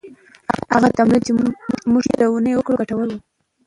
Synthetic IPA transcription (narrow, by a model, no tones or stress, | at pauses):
aaɣat̪amlid̪̚t͡ʃemuʒjed̪əunəjwəkɽoɡaʈawəlwu